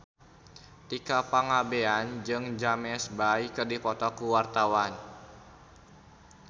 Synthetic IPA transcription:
t̪ikapaŋabeand͡ʒɨŋd͡ʒamɛsbajkɨrdipɔt̪ɔkuwart̪awan

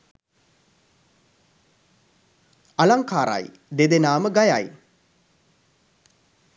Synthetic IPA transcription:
alaŋkaːɾa̰j | d̪ed̪enaːməɡajaj

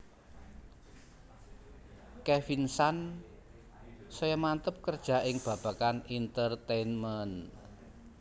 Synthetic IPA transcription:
kɛfinsan | sɔjamant̪əp̚kərd̥ʒ̥a̤ʔɪŋb̥ä̤b̥ä̤kanint̪ərt̪enmən

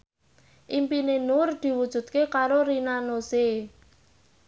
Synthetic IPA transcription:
ʔimpinenʊrd̪̥i̤wud̥ʒ̥ṳd̪̚kekaɾoɾinanose

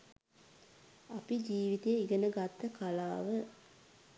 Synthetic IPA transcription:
apid͡ʒiːʋit̪ejəiɡənəɡat̪ːəkalaːʋə

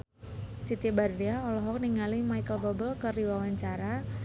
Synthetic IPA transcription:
sit̪ibardiaɔlɔɦɔk̚niŋalimajkəlbɔbəlkəriwawaɲt͡ʃaɾa

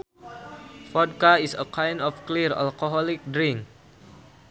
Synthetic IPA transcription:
fɔd̚kaisəkʰãjndɔfkliɹa̰lkoɦɔlik̚dɹĩŋk

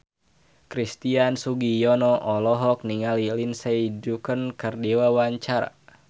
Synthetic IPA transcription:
kɾist̪iansuɡijɔnɔʔɔlɔɦɔk̚niŋalilinseidukənkərdiwawaɲt͡ʃaɾa̰

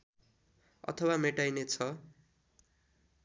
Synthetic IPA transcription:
ʌ̰t̪ʰʌwameʈajnet͡sʰʌ

